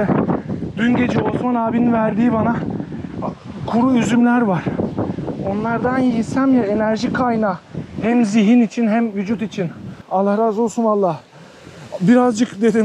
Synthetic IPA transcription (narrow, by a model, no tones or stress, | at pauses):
ɛd̪̥ynɟe̞d͡ʒɛo̞smanaːbininvæɾd̪iːbana | kʰuɾuyzymlʲæɾvaɾ̥ | o̞nlˠaɾd̪anjisæmjae̞næɾʒikʰajnaːhæmziɦinit͡ʃʰinɦæmvyd͡ʒut̪it͡ʃʰinalˠaɾazolˠsunalˠːah | biɾazd͡ʒɯkd̪e̞d̪im